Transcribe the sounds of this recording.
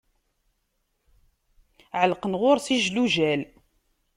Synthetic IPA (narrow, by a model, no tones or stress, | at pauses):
ʕəlqənʁʊɾˤsiʒluʒæl